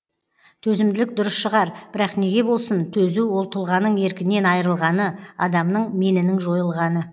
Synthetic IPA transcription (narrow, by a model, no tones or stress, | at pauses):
t̪ʰɵzɪmd̪ɪlɪk̚d̪ʊɾəsʃəʁɑɾb̥ɪɾɑqne̞ɡʲe̞bo̞lˠsənt̪ʰɵzuwo̞lˠt̪ʰʊlˠʁɑnəɴe̞ɾkʲɪne̞nɑjɾəlˠʁɑnəɑd̪ɑmnəɴme̞nɪnɪŋʒo̞jəlˠʁɑnə